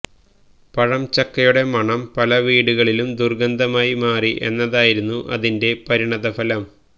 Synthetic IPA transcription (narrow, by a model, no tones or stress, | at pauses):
pɐɻɐmt͡ɕɐkːɐjuɽe̞mɐɳɐmpɐlɐʋiːɽuɣɐɭilumd̪urɡɐnd̪ɐmaːjimaːriʔe̞̰nːɐðaːjiɾunːuʔɐ̰ðinde̞pɐɾiɳɐðɐfɐlɐm